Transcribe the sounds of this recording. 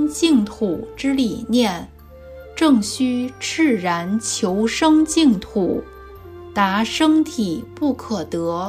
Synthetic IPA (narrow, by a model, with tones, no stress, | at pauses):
t͡ɕi˥˩ŋt̪ʰu˨˩ʈ͡ʂɻ̩˥li˨˩njɛ˥˩n | ʈ͡ʂɤ˥˩ŋɕy˥ʈ͡ʂɻ̩˥˩ɻa˧˥nt͡ɕʰjo˧˥ʊʂɤ˥ŋt͡ɕi˥˧ŋt̪ʰu˨˩ | t̪a˧˥ʂɤ˥ŋt̪ʰi˨˩pu˥˩kʰɤ˨˩t̪ɤ˧˥